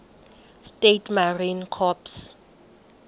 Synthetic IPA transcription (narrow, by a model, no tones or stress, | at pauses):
stetʰmarinkʰɔps